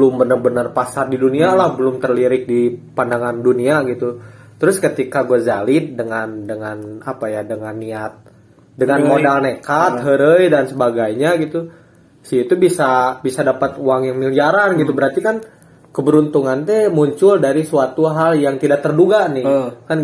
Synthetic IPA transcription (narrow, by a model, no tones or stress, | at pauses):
bəlʊmbənərbənərpasardidunialahbəlʊmt̪ərliɾɪk̚dipandaŋanduniaɡit̪u | t̪əɾʊskət̪ikaɡuazalɪt̪̚dəŋandəŋanapajadəŋanːiat̪̚ | dəŋanmodalnekat̪̚ɦəɾəjdansəbaɡajɲaɡit̪u | siit̪ubisabisadapat̪uaŋjaŋmiliaɾanɡit̪ubəɾart̪ikan | kəbəɾunt̪uŋant̪ɛmuɲt͡ʃʊldaɾisuat̪uɦaljaŋt̪idaʔk̚t̪ərduɡanɪkan